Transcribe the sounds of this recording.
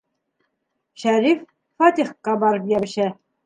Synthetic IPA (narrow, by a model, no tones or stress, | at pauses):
ʃæɾif | fɑt̪ʲiχqɑbɑɾɤpjæbɘ̆ʃæ